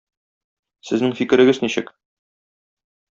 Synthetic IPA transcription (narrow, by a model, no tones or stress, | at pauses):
sɘ̆znɘŋfikɘ̆ɾɘ̆ɡɘzniɕɘk